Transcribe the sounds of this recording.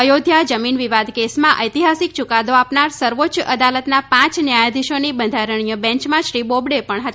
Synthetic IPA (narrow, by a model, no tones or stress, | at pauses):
əjod̪ʱjad͡ʒəminʋiʋad̪kesmãʔəjt̪iɦasikt͡ʃukad̪oapnaɾsəɾʋotːt͡ʃəd̪alət̪napãt͡ʃnjajad̪iʃonibənd̪ʱaɾəɳ̃ijəbɛ̃ɲt͡ʃmãʃɾibobɽepəɳɦət̪